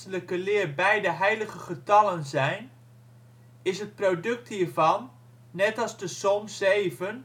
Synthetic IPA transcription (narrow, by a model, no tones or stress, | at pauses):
ələkəlɪːrbɛjdəɦɛjləɣəχətɑlənzɛjn | ɪsɦət̚prodɵk̚thiːɹvɑnː | ɛtɑlˠzdəsɔmsejvən